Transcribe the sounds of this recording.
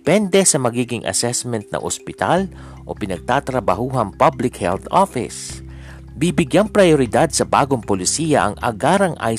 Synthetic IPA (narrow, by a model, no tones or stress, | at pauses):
pɛnd̪ɛsɐmɐɡiːɡɪŋʔɐ̰sɛsmɛnt̪̚nɐ̰ŋʔo̰spɪt̪al | ʔo̰pɪnɐɡ̚t̪aːt̪ɾɐbɐhuːɦɐŋpablɪkhɛ̰lθʔofɪ̰s | bibɪɡjaŋpɾɐjoɾɪd̪ad̪̚sɐba̰ːɡoŋpolɪsiːjɐʔɐ̰ŋɐ̰ɡaːɾɐŋʔa̰j